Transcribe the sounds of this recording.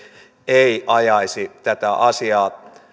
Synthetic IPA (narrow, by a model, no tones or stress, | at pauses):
eiʔɑjɑisit̪æt̪æʔɑsiɑː